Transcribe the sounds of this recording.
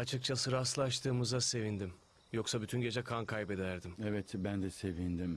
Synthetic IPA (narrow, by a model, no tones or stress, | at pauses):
at͡ʃʰɯk̚t͡ʃʰasɯɾaslˠaʃt̪ʰɯːmɯzase̞vind̪im | jo̞ksabyt̪ʰynɟe̞d͡ʒɛkʰankʰajbe̞d̪æɾd̪imevɛt̪bænd̪ɛse̞vind̪im